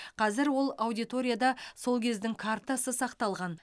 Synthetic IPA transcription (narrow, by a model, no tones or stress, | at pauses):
qʰɑzɪɾwo̞lˠawd̪ijt̪o̞ɾʲijad̪ɑso̞lˠkʲʰe̞zd̪ɪŋkʰaɾt̪asəsɑqt̪ɑlˠʁɑn